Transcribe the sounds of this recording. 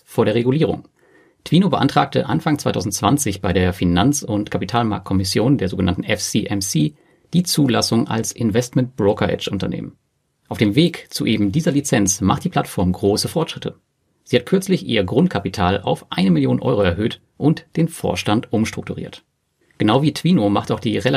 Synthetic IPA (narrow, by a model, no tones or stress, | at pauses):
foːɐɾeːɐʁeɡuliːʁ̞ʊ̰ŋ | tʰv̥iːnobəʔantʁ̥a̰ːk̚tə̰ʔa̰nfaŋt͡sv̥aɪtʰaʊzn̩tt͡sv̥ant͡sɪçb̥aɪɾeːɐfinant͡sʊntkʰapitʰaːlma̰ɐkt̚kʰɔmɪsjoːndeːɐzoːɡənantn̩ɛfsiːʔɛmsiː | d̥iːt͡suːlasʊŋʔa̰lsʔɪnvɛstmɛnt̚b̥ʁoːkʰɐʔɛ̰t͡ʃʔʊntɐnḛːmən | ʔaʊfd̥eːmveːkt͡suʔeːbm̩diːzɐlit͡sɛnt͡smaχt̚d̥iːpʰl̥atfɔɐmɡʁoːsəfɔɐtʃʁ̥ɪtʰə̰ | z̥iːhat̚kʰʏɐt͡slɪçʔḭːɐɡʁʊnt̚kʰapitʰaːla̰ʊfʔa̰ɪnəmɪljoːnnʔɔ̰ʏʁoɛɐɦøːt | ʔʊntd̥eːnfo̰ːɐʃtantʔʊmʃtʁ̥ʊk̚tuʁḭːɐt | ɡ̥ənaʊviːtʰv̥iːnomaχtaʊχd̥iːʁel